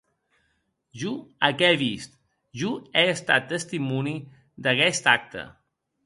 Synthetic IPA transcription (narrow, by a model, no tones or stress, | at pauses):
ʒuəkɛβist̪ | ʒuɛəst̪at̪ːəst̪imuni | d̪akɛst̪ak̚t̪ə̰